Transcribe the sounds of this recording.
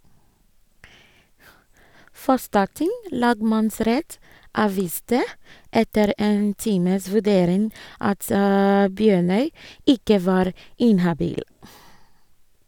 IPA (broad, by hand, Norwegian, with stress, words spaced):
ˈfɔstɑˌtɪŋ ˈlɑːɡmɑnˌsɾɛt ˈɑːʋiːstə ˈɛtəɾ ˈeːn ˈtiːməs ʋʉˈɖeːɾɪŋ ˈɑt ə ˈbjøːɳœʏ ˈɪkə ˈʋɑːɾ ˈɪnhɑbiːl